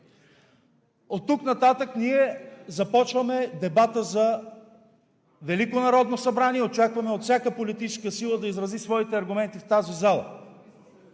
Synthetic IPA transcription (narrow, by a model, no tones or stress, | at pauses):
ot̪ːuknɐt̪at̪əkniɛzɐpɔt͡ʃvɐmɛd̪ɛbat̪əzɐ | vɛlikonɐɾɔd̪nosɐbɾaniɛot͡ʃakvɐmɛot̪fsʲjakəpolit̪it͡ʃɛ̥skəsilˠəd̪ɐizɾɐzisvɔit̪ɛɐɾɡʊmɛnt̪ift̪azizalˠə̰